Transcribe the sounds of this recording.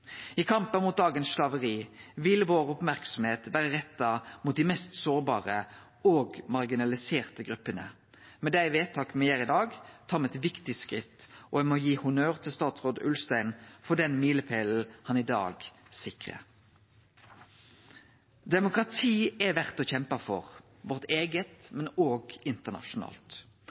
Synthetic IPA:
ɪkʰɑmpənmʊːt̪̚d̪ɑːɡənsʃlɑʋəʁiːʋɪlʋoːʁʊpmæʁksɔm̩heːt̪ʋæːʁəʁɛt̪ːɑmuːt̪̚d̪ɪmɛst̪soːʁbɑːʁə | oːɡmɑʁɡɪnɑlɪseːʁt̪əɡʁʉpːənə̰ | mɛd̪æɪʋeːt̪ʰɑːkmɛjeːʁɪd̪ɑːɡt̪ʰɑːmɛɛt̪ʋɪkt̪ɪskʁɪ̰t̪ːʔɔɛmojiːhʊnøːʁt̪ʰɪlst̪ɑːt̪sʁoːd̪ʉ̰lst̪æɪnfɔd̪ɛnmiːləpʰeːl̩hɑnɪd̪ɑ̰ːɡsɪkʁə̰ | d̪ɛmʊkʁɑt̪ʰiːɛʋæʁt̪ɔçɛmpɑfɔ̰ʁ | ʋɔʁt̪eːɡət̪mɛnoːɡɪnt̪əʁnɑ̰ʃʊnɑ̰ːlt̪

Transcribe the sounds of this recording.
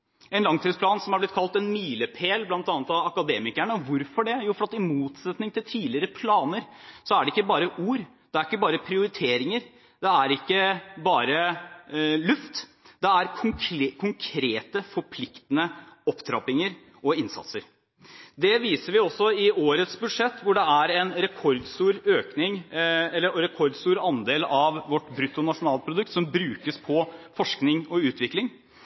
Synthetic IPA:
ɛnlɑŋt̪ʰiːd̪spʰlɑːnsɔmæblɪt̪kʰɑlt̪ɛnmiːləpʰeːlblɑnt̪ɑːnət̪ɑʋɑkɑd̪eːmɪkæɳəʋʊɾfɔɖɛjuːfɔɾɑt̪ɪmuːt̪sɛt̪nɪŋt̪ʰɪlt̪ʰiːlɪəɾəpʰlɑːnəɾsɔæɖɛɪkːəbɑːɾəʔuːɾ | d̪̥ɛæɾɪkːəbɑːɾəpʰɾɪʊɾɪt̪ʰeːɾɪŋəɾ | d̪ɛæɾɪkːəbɑːɾə | lʉft̪ | d̪̥ɛæɾkʰʊŋkʰʊŋkʰɾeːt̪əfɔɾpʰlɪkt̪ənəɔpːd̪ʰɾɑ̰ːpɪŋəɾ | ʔɔɪnsɑ̰t̪səɾ | d̪ɛʋiːsəɾʋɪɔsːɔɪoːɾət̪sbʉd̪ʂɛt̪ːʋʊɖɛæɾɛnɾɛkʰɔɾd̪st̪uːɾøːknɪŋɛlːəɾɛkʰɔɾd̪st̪uːɾɑnd̪eːlɑʋʋɔʈːbɾʉt̪ːʊnɑʂʊnɑːlpʰɾʊd̪ʉk̚t̪sɔmbɾʉːkəspʰɔfɔʂknɪŋɔʉːt̪ʋɪklɪŋ

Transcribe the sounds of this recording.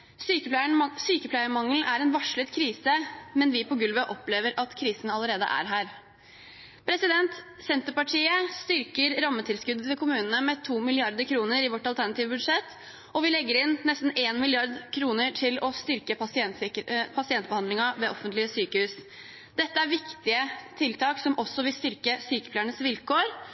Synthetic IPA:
syːk̪ɳsyːkəpʰlæɪəmɑŋl̩æɾɛnʋɑʂɭət̪kʰɾiːsəmɛnʋɪpʰɔɡʉlʋəʔɔpleːʋəɾʔɑt̪kʰɾiːsənɑləɾeːd̪ə̰ʔæ̰ɾɦæːɾ | pʰɾɛsɪd̪ɛnt̪ | sɛnt̪əpɑʈʰiːəst̪ʏɾkəɾɾɑmːət̪ʰɪlskʉd̪ət̪ʰɪlkʰʊmʉːnən̩əmɛt̪ʰuːmɪlɪɑɾd̪əkʰɾuːnəɾɪʋɔʈːɑlt̪ʰæɳɑt̪iːʋəbʉd̪ʂɛt̪ː | ɔʋɪlɛɡːəɾɪnːɛst̪n̩eːnmɪlɪɑɾd̪kʰɾuːnəɾʈʰɪlɔst̪ʏɾkə | pʰɑsɪɛnt̪̚bəhɑnd̪lɪŋɑʋeːʔɔfənt̪lɪəsyːkəhʉːs | d̪̥ɛt̪ːəæɾʋɪkt̪ɪət̪ʰɪlt̪ʰɑːksɔmʔɔsːɔʋɪlst̪ʏɾkəsyːkəpʰlæɳəsʋɪlkoːɾ

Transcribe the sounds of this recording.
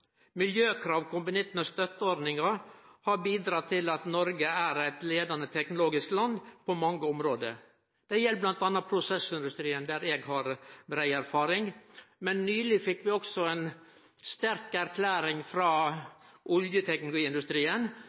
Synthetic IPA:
mɪljøːkʰɾɑːʋkʰʊmbʊnɛt̪mɛst̪œt̪ːəɔɾd̪nɪŋɑhɑɾbiːd̪ɾɑt̪ʰːɪlɑt̪nɔɾɡəæɾæɪt̪leːd̪ɑnət̪ʰɛknʊloːɡɪsklɑnd̪pʰɔmɑŋːəɔmɾoːd̪ə̰ɾ | d̪̥ɛjɛlːblɑnt̪ɑnːɑtpʰɾʊsɛsɪnd̪ʉst̪ɾiːənd̪æɾɛɡhɑɾbɾæɪæɾfɑːɾɪŋmɛnːyːlɪfɪkːʋɪɔksɔɛn | st̪æɾkæɾkʰlæːɾɪŋfɾɑːʔʊljət̪ʰɛknʊlʊɡiːɪnd̪ʉst̪ɾiːən

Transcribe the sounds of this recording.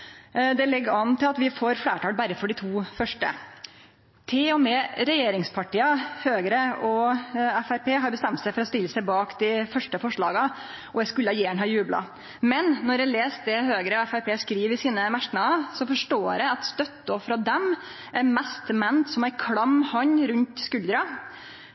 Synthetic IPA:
d̪ɛlɛɡːɑnt̪ɪlɑt̪ʋɪfoːɾflæːʈɑːlbæɾəfɔɖɪt̪ʰuːfœʂʈə̰ | t̪ʰɪlɔmɛːɾɛjeːɾɪŋspʰɑʈiːɑhøːɡəɾəɔɛfæɾpeːɦɑɾbəst̪ɛmt̪sæɪfɔɾɔst̪ɪlːəsæɪbɑːkd̪ɪfœʂʈəfɔʂɭɑ̰ːɡə | ɔjæɪskʉləɑjeːəɳɦɑːjʉːblɑ̰ | mɛnnːɔɾjæleːst̪̚d̪ɛɦøːɡɾəɔæfæɾpʰeːskɾiːʋɪsiːnəmæʂʈnɑɑsɔfɔʂʈoːɾæɑt̪st̪œt̪ːəɔfɾɑd̪ɛm | ʔæɾmɛst̪mɛnt̪sɔmæɾkʰɽɑmːhɑɲɾʉnt̪skʉld̪ɾɑ

